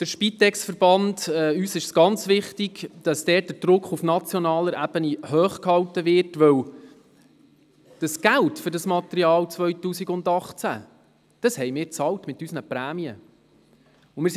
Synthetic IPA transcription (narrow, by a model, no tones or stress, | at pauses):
d̥əɾʃpit̪ːɛksfəɾb̥ɑndɛyːsɪʃsɡ̥ɑnt͡sʋɪχtiɡd̥ɑsd̥ɛːt̚dəɾd̥ɾʊkχufnɑt͡sjonɑːləɾʔæb̥ənihøːχkhɑwtəʋɪrtʋœw | d̥ɑsɡ̥æltfɵɾdɑsmɑt̪əɾiɑːlt͡sʋœɥtuːsiɡʊndɑχt͡sæ̰ | d̥ɑshɛjmɪːɾt͡sɑwtmɪtysnəpɾæːmiə | ʊmɪːs